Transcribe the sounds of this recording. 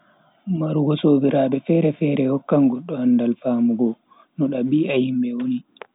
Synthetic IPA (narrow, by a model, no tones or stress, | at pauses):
maɾuɡɔsoːbiɾaːɓɛfɛɾɛfɛɾɛhɔkːaŋɡɔɗːɔhandalfaːmuɡɔ | nɔɗaɓiahimbɛwoni